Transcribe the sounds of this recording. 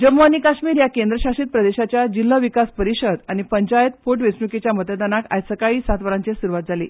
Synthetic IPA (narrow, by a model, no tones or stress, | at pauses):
d͡ʑəmːoanikaɕmiːɾjakend̪ɾəɕaʂiːt̪̚pɾəd̪eɕat͡ɕjad͡ʑilːəʋikaspəɾiɕəd̪añipəɲt͡ɕajət̪̚foʈʋet͡snuket͡ɕjamət̪əd̪anaka̰jsəkaiːsat̪ʋəɾãɲt͡sesuɾuʋat̪̚d͡zʱalḭː